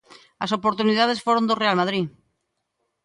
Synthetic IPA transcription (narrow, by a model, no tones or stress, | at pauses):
aso̞po̞ɾt̪uniðað̞e̞sfoɾond̪orealmaðɾi